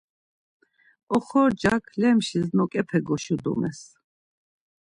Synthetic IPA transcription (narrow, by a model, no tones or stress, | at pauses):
ɔχɔɾd͡ʒakʰlɛmʃiznɔkʼɛpʰɛɡɔʃud̪ɔ̰mɛs